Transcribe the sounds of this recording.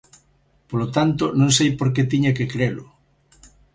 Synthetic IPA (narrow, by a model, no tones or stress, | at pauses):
polot̪ant̪ʊnõŋsejpoɾket̪iɲɐkɪkɾelʊ